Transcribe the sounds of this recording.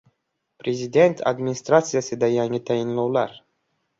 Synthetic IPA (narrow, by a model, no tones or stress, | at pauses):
pɾezʲid̪ʲent̪ʰa̰d̪minʲist̪ɾat̪sijased̪ajanʲit̪ainlowlaɾ